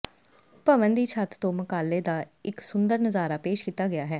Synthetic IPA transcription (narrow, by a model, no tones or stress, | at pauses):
pəʋənd̪iːt͡ʃʰaːt̪t̪õːmʊkaːlːeːd̪aːɪksʊnd̪əɾnəzaːɾaːpeːʃkiːt̪aːɡɪaːɦɛː